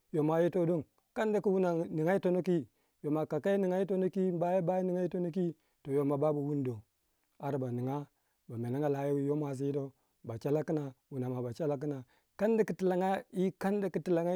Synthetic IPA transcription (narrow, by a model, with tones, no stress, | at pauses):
jo˨ma˨ji˦to˦do˦ŋ | ka˦n˦da˨˦ki˦wu˦na˨ni˨ŋa˦i˦to˦no˦k̬i˦ | jo˨ma˨ka˨ka˦i˦ni˨ŋa˦i˦to˦no˦ki˦m˦ba˦ji˦ba˦ji˦ni˨ŋa˦i˦to˦no˦k̬i˦ | to˨jo˨ma˨ba˦bu˨wu˦ndo˨ | a˨ɾba˨ni˨ŋa˦ | ba˨me˨na˦ŋa˦la˨˦ji˦wi˦jo˦m˦a˨s̬i˨˦ji˦to˦ | ba˨t͡ʃa˦la˦ki˦na˨wu˨n˨a˨ma˨ba˨t͡ʃa˦la˦k̬i˦na˨ | ka˦n˦da˦ki˦ti˨la˨ŋa˦i˦ka˦n˦da˨ki˦ti˦˨la˨ŋa˦